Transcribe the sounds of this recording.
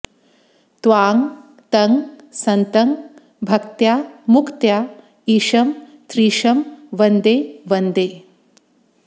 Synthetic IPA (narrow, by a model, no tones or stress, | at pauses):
t̪ʋaːŋ | t̪ɐŋɡsɐnt̪ɐŋ | bʱɐkt̪jaːmukt̪jaː | iːʃɐm | t̪ɾiːʃɐmʋɐnd̪eːʋɐnd̪eː